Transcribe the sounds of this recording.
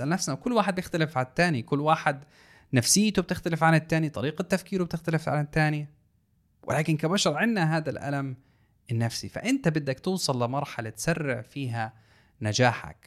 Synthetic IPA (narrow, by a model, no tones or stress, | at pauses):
ʔalnafsnawkʊlːwaːħɪd̪bjɪxt̪alɪfʕat̪ːaːnikʊlːwaːħɪd̪ | nafsɪjːt̪ʊb̚t̪ɪxt̪alɪfʕanɪt̪ːaːnit̪ˤɑɾiːqat̪ːafkiːɾwb̚t̪ɪxt̪alɪfʕa̰nɪt̪ːaːnj | wʔɪ̰laːkɪnkabaʃɑɾˤʕɪnːaɦaːd̪alʔa̰lam | ɪnːafsḭfa̰ʔɪnt̪abɪd̪ːakt̪uːsˤɨlːɪmɑɾˤħalat̪sarːɪʕfiːɦa | nad͡ʒaːħa̰k